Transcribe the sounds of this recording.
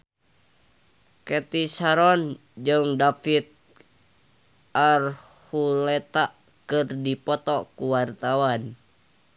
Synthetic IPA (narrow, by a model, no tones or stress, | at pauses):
kɛt̪isaɾɔn | d͡ʒɨŋdafit̪̚ | ʔarhulɛt̪a | kɨrdipɔt̪ɔkuwart̪awan